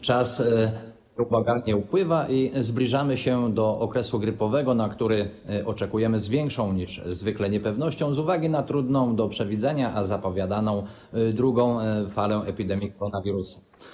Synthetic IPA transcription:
t͡ʂas | pɔbaɡalɲɛupwɘvaʔizblʲiʐamɘɕɛd̪ɔʔɔkɾɛsuɡɾɘpɔvɛɡɔnakt̪uɾɘ | ʔɔt͡ʂɛkujɛmɘzvʲjɛŋkʂɔ̃w̃ɲiʂzvɘklɛɲɛpɛvnɔɕt͡ɕɔ̃w̃zuvaɡʲinat̪ɾud̪nɔ̃w̃d̪ɔpʂɛvʲid̪zɛɲaʔazapɔvʲjad̪anɔ̃w̃ | d̪ɾuɡɔ̃w̃falɛ̃ʔɛpʲid̪ɛmʲjikɔɾɔnavʲiɾusḁ

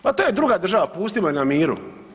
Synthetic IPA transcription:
pat̪oːjed̪ɾuɡaːd̪r̩ʒaʋapuːst̪imoenamiːɾṵ

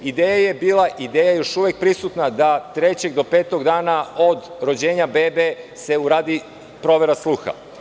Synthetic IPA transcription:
id̪eːjaje̞biːlˠaʔid̪eːjajo̞ʃuʋek̚pɾisut̪nad̪at̪ɾet͡ɕeɡd̪o̞peːt̪oɡd̪aːnaod̪ɾod͡ʑeːɲabebese̞uɾaːd̪i | pɾo̞ʋeɾaslˠuːxa̰

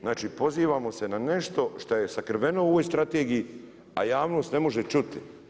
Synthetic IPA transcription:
znaːt͡ʃiːpo̞ziːʋaːmo̞se̞nane̞ʃt̪o̞ʃt̪oje̞sakr̩ʋe̞nouoʋojst̪ɾat̪eːɡiji | a̰jaːʋno̞ːst̪ne̞mo̞ʒet͡ʃut̪i

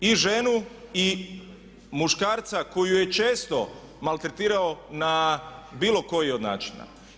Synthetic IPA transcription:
iʒe̞nui | muʃkaːɾt̪sako̞juje̞t͡ʃe̞ːst̪o̞ | malt̪ɾet̪iːɾaonabiːlo̞ko̞jio̞d̪na̰ːt͡ʃina̰

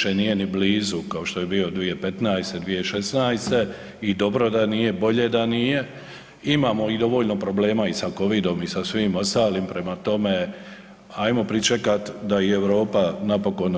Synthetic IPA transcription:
ʃeniːje̞nibliːzukao̞ʃt̪ojebio̞d̪ʋije̞pet̪naːjst̪e̞d̪ʋije̞ʃesnaːjst̪e̞ | id̪o̞bɾo̞d̪anije̞bo̞ʎe̞d̪anije̞ | imaːmo̞id̪o̞ʋo̞ːʎno̞pɾo̞ble̞ːmaisako̞ʋid̪o̞misasʋiːmo̞st̪aːlimpɾe̞mat̪o̞me | ajmo̞pɾit͡ʃe̞kat̪d̪aieʋɾo̞ːpanapo̞ko̞n

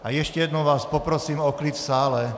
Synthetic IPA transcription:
ajɛʃcɛjɛd̪nɔʋaːspɔpɾɔsiːmɔklitfsaːlɛ

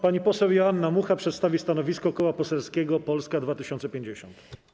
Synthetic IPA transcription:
paɲipɔsɛwjɔanːamuxapʂɛt̪st̪avʲist̪anɔvʲiskɔkɔwapɔsɛlskʲɛɡɔpɔlskad̪vat̪ɘɕɔnt̪sɛpʲjeɲd͡ʑeɕɔ̰nt̪

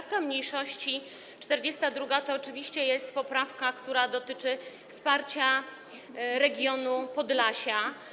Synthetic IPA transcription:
fkamɲejʂɔɕt͡ɕi | t͡ʂt̪ɛɾd͡ʑɛst̪ad̪ɾuɡat̪ɔːt͡ʂɘvʲiɕt͡ɕɛjɛst̪pɔpɾafkakt̪uɾad̪ɔt̪ɘt͡ʂɘ | fspaɾt͡ɕa | ɾɛɡʲjɔnupɔd̪laɕa

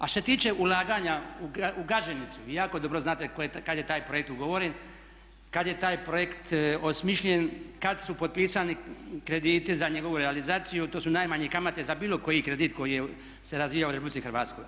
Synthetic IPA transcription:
aʃtoset̪iːt͡ʃe̞ʔulˠaːɡaɲauauɡaʒenit̪suʋijaːko̞d̪o̞bɾo̞znaːt̪ekojkad̪je̞t̪aːjpɾo̞jek̚t̪uɡoʋo̞ɾen | kad̪je̞t̪aːjpɾo̞jekt̪o̞smiʃʎenkad̪supo̞d̪̚piːsanikɾe̞d̪iːt̪izaɲeɡo̞ʋuɾealizaːt̪sijut̪oːsunaːjmaɲekamat̪e̞zabiːlo̞ko̞jikɾe̞d̪it̪ko̞jije | se̞ɾazʋiːjauɾepublitsixɾʋaːt̪skoj

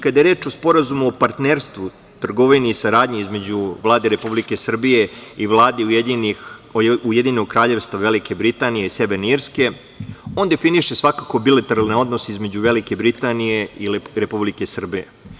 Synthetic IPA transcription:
kad̪ajeɾe̞ːt͡ʃo̞spo̞ɾazumuopaɾt̪neɾst̪ʋu | t̪r̩ɡo̞ʋiniːsaɾaːd̪ɲeizme̞d͡ʑuʋlˠaːd̪e̞ɾe̞publike̞sr̩bije̞iʋlˠaːd̪iujed̪ini | ujed̪inoɡ̚kɾaːʎe̞ʋst̪ʋaʋelike̞bɾit̪aːnije̞ise̞ʋeɾneiɾske̞ | o̞ːnd̪e̞finiʃesʋakako̞bilat̪eɾalneo̞d̪noseizmed͡ʑuʋe̞like̞bɾit̪anijeiɾepublikesr̩bije

